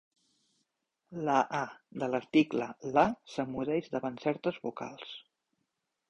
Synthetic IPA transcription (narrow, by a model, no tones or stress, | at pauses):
ləʔad̪ələɾt̪ikləlasəmuðɛʒd̪əβansɛɾt̪əzβuka̰lˠs